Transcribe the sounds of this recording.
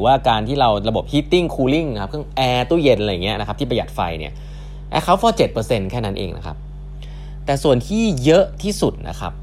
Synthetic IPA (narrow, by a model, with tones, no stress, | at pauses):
waː˥˩kaː˧nt̪ʰiː˥˩ɾa˧wɾa˧bo˨˩p̚hiː˦˥t̪ːi˥˩ŋkʰuː˧li˥˩ŋnkʰa˦˥p̚kʰɯ˥˩ə˨˩ŋʔɛː˧t̪uː˥˩je˧nʔla˧jːa˨˩ŋi˦˥ɐna˦˥kʰa˦˥t̪ʰi˥˩p̬ja˨˩t̪̚fa̰˧jnḭ˦˥˩ɐ | ʔɛ̰ː˧˩kʰa˦˥wfɔː˧˥t͡ɕe˨˩t̪̚pɤː˧se˧nkʰɛː˥˩na˦˥nʔḛː˧ŋnʔa̰˦˥kʰa̰˦˥p̚ | t̪ɛː˨˩su˨˩ənt̪ʰiː˥˩jɤ˦˥ʔt̪ʰiː˥˩su˨˩t̪̚nʔa̰˦˥kʰa̰˦˥p̚